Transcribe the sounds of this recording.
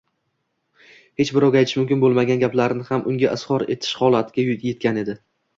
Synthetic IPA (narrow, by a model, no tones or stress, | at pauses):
he̞t͡ʃbɪɾɒwɡʲajt̪ʰɪʃmʊmkʲɪnbolˠmaɡʲanɡʲaplaɾɪnɪhamʔʊŋɡʲaʔɪshɒɾe̞̰t̪ʰɪ̥ʃhɒlˠat̪ʰɪɡʲajʊje̞t̪̚kʲane̞d̪ɪ